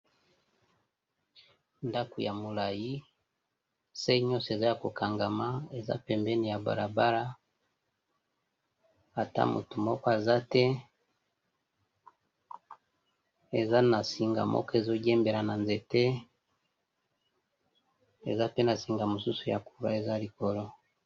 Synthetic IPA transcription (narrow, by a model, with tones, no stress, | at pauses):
nda˦ko˨ja˨mo˨la˨ji˦ | se˦ɲɔ˦se˨za˦ja˨ko˨kʰa˨ŋɡa˨ma˦e˨za̰˦pɛ˨mbɛ˦ni˨ja˨ba̰˨ɾa˨ba˦ɾa˦ | a˨ta̰˦mʔo̰˨tu˨mo˦ko˦e˨za˦tɛ˦ | e˨za˦na˨si˨ŋɡa̰˨mʔo̰˦ke˨zo˦ɟɛ˦mbe˨ɾa˨na˨nze˨te˦ | ḛ˨za˦pe˦na˨si˨ŋɡa˨mu˨su˦su˨ja̰˨ku˨ɾa̰˦e˨za˦li˨ko˨lɔ˦